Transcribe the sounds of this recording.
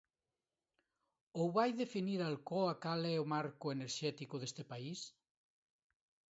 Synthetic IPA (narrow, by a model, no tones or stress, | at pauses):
owβajðefiniɾalkoakalɛomaɾkʊeneɾʃɛt̪ikoðest̪epais